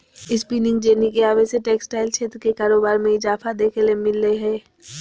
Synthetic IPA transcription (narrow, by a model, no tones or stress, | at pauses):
ɪspiːnɪ̃ŋɡd͡ʒeːnikeaːbeseʈeːksʈaːɪlt͡ʃʰeːt̪ɾkekaːɾoːbaːɾmẽɪzaːfad̪eːkʰelemɪlːeɦɛː